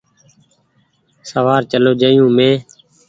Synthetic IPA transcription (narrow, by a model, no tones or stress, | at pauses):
səʋaːɾt͡ʃəloːd͡ʒəːjũːmẽː